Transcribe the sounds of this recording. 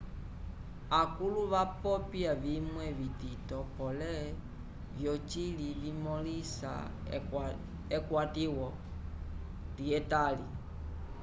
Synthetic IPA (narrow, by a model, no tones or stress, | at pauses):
akuluβapɔpiavimwɛvititɔpɔlɛ | vjɔt͡ʃilivimɔlisa̰ | ɛkwatiwɔ | ɾiɛtalḭ